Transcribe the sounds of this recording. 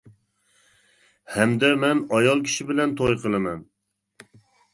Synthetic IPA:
hɛmd̪ɛmɛnɑjɑlˠkʲʰi̥ʃibɪlɛnt̪ʰojqʰəlˠɨmɛn

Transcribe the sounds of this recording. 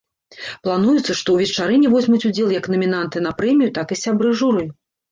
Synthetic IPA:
plˠanujut̪sːɐʂt̪ɔwvʲɛt͡ʂaɾɨnʲivɔzʲmut͡sʲud͡zʲɛlˠjɐknɐmʲin̪ant̪ɨnɐpɾɛmʲijut̪akɨsʲabɾɨʐuɾɨj

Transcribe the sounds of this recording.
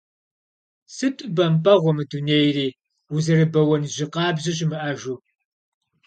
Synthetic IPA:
sɨtʷʼɨbɐmpʼɐʁʷɔmɨduneːjriː | uzɨrɨbɐwɔnʑɪqɑːbʑɪɕɪmɨʔɐʒu

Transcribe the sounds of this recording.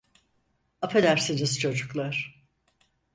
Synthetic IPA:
apʰelʲæɾsiniz̥t͡ʃʰo̞d͡ʒuklˠaɾ̥

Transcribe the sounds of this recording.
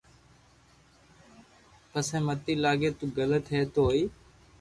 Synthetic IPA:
pəsẽːmət̪ːiːlaːɡeːt̪uːɡələt̪ɦeːt̪oːiː

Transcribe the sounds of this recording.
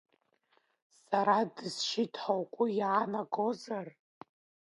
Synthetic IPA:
saɾadɨz̥ʃitʰħawkʷʼʊjʕanaɡo̞zar

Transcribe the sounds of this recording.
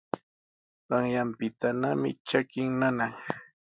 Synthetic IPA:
ɢaŋjampɪt̪anamɪ̰t͡ʃakɪŋnanaŋ

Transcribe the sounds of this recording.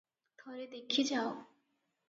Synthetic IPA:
d̪̥ʱɔɾed̪ekʰːid͡ʑao

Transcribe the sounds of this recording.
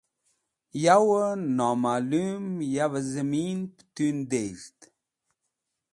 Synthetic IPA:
jawənamalumjavəzəmintt̪ynd̪ejɾt̪

